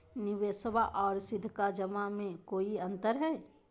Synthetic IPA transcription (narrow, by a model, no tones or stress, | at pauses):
nɪʋeːsəbaʔɔːɾsɪd̪ʱːkad͡ʒəmamẽkoːiɐ̃nt̪əɾɦɛː